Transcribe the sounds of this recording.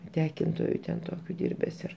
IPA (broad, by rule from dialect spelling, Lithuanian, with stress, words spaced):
ˈtʲæːkʲɪntoːjʊ tʲɛn ˈtoːkʲʊ ˈdʲiːrʲbʲɛs ɪr